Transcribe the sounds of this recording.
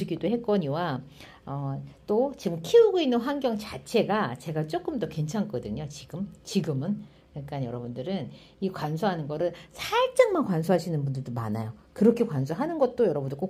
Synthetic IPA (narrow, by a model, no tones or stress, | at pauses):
iɡidohe̞k͈wʌɲiwa | ʌt͈ot͡ɕiɡkʰiuɡoinːɯnɸwanɡjʌŋt͡ɕat͡ɕʰe̞ɡat͡ɕe̞ɡat͡ɕ͈ok͈ɯmdʌkwe̞nt͡ɕʰaŋk͈ʌdɯɲot͡ɕiɡ̥ɯmt͡ɕiɡɯmɯn | kak͈anjʌɾʌbundɯɾɯn | ikwansʰoɦanɯnɡʌɾɯɭsʰat͡ɕ͈aŋmankwans̬ʰoɦaɕʰinɯnbundɯɭdoma̰na̰jokɯɾʌkʰe̞kwans̬ʰuɦanɯnɡʌt̚t͈ojʌɾʌbundɯɭk͈o